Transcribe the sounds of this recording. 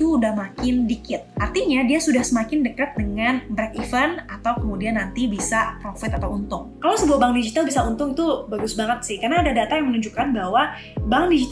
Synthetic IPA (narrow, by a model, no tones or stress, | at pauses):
udahmakɪndikɪt̪̚ʔart̪iɲadiasudahsəmakɪndəkat̪̚dəŋanbɾɛkifənat̪awkəmudianːant̪ibisapɾofɪt̪at̪awunt̪ʊŋkalawsəbuahbaŋdid͡ʒit̪albisaunt̪ʊŋit̪ubaɡʊsbaŋət̪sɪhkarənaːdadat̪ajaŋmənuɲd͡ʒukanbahwa | baŋdid͡ʒi